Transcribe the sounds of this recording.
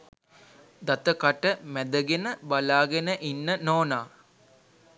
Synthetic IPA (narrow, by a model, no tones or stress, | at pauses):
d̪at̪əkaʈəmæd̪əɡenəbalaːɡenəʔinːənoːnaː